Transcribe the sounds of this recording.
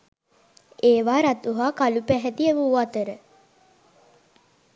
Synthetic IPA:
eːʋaːɾat̪uɦaːkalupæɦɛt̪ieʋuuat̪əɾə

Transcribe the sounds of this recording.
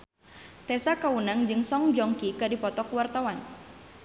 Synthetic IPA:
t̪ɛsakaunaŋd͡ʒɨŋsɔŋd͡ʒɔŋkikadipɔt̪ɔkwart̪awan

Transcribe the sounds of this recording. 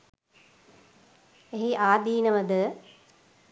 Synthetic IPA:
eɦiʔaːd̪iːnəʋəd̪ə

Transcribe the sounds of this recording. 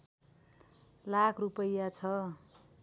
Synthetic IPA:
lakʰrupʌjːat͡sʰʌ

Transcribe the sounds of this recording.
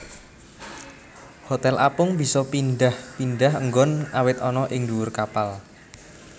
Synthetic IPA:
hot̪ɛlʔapʊŋbi̤sɔpinɖahpinɖaɦəŋɡɔnawɪt̪ɔnɔʔɪŋduwʊrkapal

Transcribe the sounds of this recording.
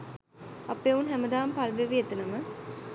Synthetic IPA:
apeunɦæməd̪aːmpalʋeʋiet̪ənəmə

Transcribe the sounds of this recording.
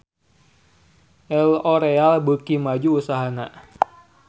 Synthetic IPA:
ʔɛloɾealbukimad͡ʒuːsaɦana

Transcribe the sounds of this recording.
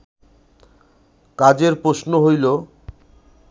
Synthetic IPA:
kad͡ʑeɾpɾoʃnoɦojlo

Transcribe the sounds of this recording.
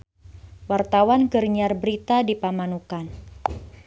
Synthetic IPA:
wart̪awanɡərɲarbəɾit̪adipamanukan

